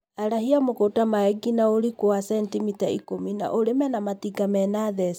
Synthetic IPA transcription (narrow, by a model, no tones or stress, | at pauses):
aɾaɦiamokotamaɛɡinaoɾikoasɛntimitaḭkomina̰ʔoɾemɛnamatiɡamɛnaðɛs